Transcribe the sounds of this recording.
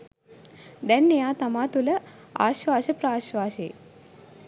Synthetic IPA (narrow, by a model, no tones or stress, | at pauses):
d̪ɛnːejaːt̪amaːt̪ulə | aːʃʋaːʃəpɾaːʃʋaːʃeː